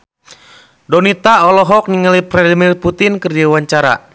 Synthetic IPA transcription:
dɔnit̪aɔlɔɦɔk̚niŋalipɾɛdimirput̪inkərdiwaɲt͡ʃaɾa̰

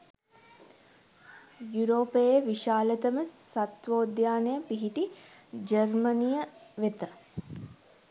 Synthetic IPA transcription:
juɾoːpeeʋiʃaːlət̪əməsat̪ʋoːd̪jaːnejəpiɦiʈid͡ʒəɾmənijəʋet̪ə

